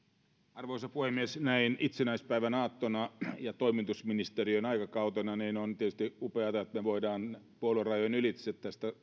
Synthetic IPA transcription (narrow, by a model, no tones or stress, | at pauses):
ɑrʋoisɑpuhemːiesnæinit̪senæispæiʋænɑːt̪ːonɑjɑt̪oimit̪usminist̪eriøinɑikɑkɑut̪onɑniːnont̪iet̪yst̪iupeɑt̪ɑeot̪meʋoidɑːnpuolorɑjonylit̪set̪t̪æst̪æ